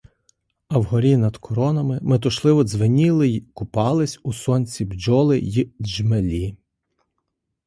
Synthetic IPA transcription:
ɐwɦɔɾʲinɐd̪kʰɔɾɔnɐmɪmet̪ɔʃlˠɪʋɔzʋɪnʲilˠɪkʊpɑlˠɪsʲusɔnʲt͡sʲibd͡ʒɔlˠɪjid͡ʒmelʲi

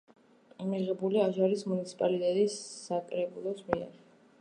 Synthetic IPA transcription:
miʁɛbuliaʒaɾismunit̪sʰi̥pʼalit̪ʼɛt̪ʼisːakʼɾɛbulˠɔsmiɛ̰ɾ

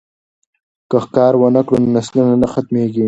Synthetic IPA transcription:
kəxkɑːɾwənəkɽunnaslunanaxat̪meɡi

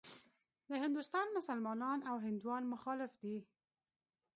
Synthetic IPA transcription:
d̪əhɪnd̪ʊst̪ɑnmʊsalmɑnɑnawɦɪnd̪wɑnmʊxɑlɪfd̪i

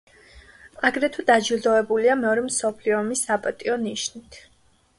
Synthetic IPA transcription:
aɡɾɛt̪ʰud̪ad͡ʒild̪ɔɛbuliamɛɔɾɛmsɔpʰliɔmisapʼat̪ʼiɔniʃnit̪ʰ

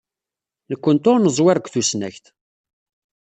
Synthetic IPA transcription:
nəkʷːənt̪ʊɾnəzˤwɪɾəɡʷθusnæçt̪

